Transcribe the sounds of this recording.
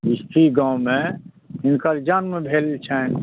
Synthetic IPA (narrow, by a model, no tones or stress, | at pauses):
ɪst̪ʰiɡãːwmẽ | ɪnkəɾd͡ʒanmẽbʱelt͡ʃʰɛ